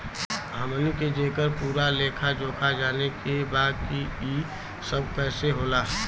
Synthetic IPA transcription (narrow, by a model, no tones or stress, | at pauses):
ɦəmlĩked͡ʒeːkəɾpuːɾaleːkʰad͡ʒoːkʰad͡ʒaːnekebaːd̪̚kiiː | səb̚ʱpɛːseɦoːlaːɦɛː